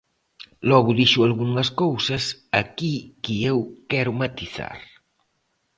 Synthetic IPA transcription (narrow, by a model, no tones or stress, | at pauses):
lɔɣʊðiʃualɣuŋɐskowsɐsakikiewkɛɾʊmat̪iθa̰ɾ